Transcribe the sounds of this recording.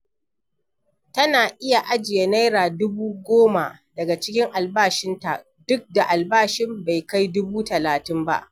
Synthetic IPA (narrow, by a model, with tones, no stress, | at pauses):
tɐ˦naː˨ʔɪ˦ja˨ʔa˦d͡ʒɪ˨ja˦na˦jɾaː˨dʊ˦buː˦ɡʷoː˦ma˨dɐ˨ɡa˨t͡ʃɪ˦kʲɪ˦ŋʔa˨lbaː˦ʃɪ˦nta̰˨ʔ | dʊ˦k̚da˨ʔa˨lbaː˦˨ʃɪ˦mba˨jka˦jdʊ˦buː˦tɐ˨laː˨tɪ˦mba̰˦ʔ